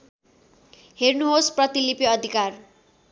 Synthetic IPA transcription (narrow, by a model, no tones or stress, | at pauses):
hernuɦosprʌt̪ilipjeʌd̪ʱikar